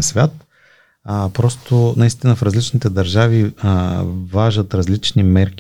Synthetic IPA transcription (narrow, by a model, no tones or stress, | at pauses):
ɐsvʲjat̪̚ | pɾɔst̪ʊnɐist̪inəfɾɐzlit͡ʃnit̪ɛd̪ɐɾʒavi | vaʒət̪ɾɐzlit͡ʃnimɛɾk